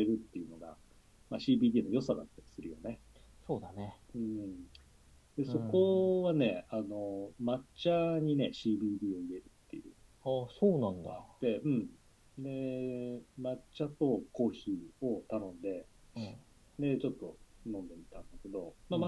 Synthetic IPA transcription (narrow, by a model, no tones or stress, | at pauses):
e̞ɾɯ̟t̪ːe̞iɯ̟no̞ɡa̰ | maɕiːbʲiːd̪ʲiːno̞jo̞sad̪a̰t̪ːaɾʲisɨɾɯ̟jo̞̰ne̞soːd̪aneɯ̟̃ː | d̪̥e̞so̞kko̞βane̞ano̞mat͡ɕaɲ̟ine̞ɕiːbʲiːd̪iːo̞ie̞ɾɯ̟t̪ːe̞jɯ̟̰ːɑsoːnãnd̪a̰d̪e̞ɯ̟̃ɴ | d̪e̞ | mat͡ɕat̪o̞ko̞ːçio̞t̪anõ̞nd̪e̞ | d̪e̞t͡ɕo̞t̪ːo̞nõ̞nd̪e̞mʲit̪ãnd̪ake̞d̪o̞̰mama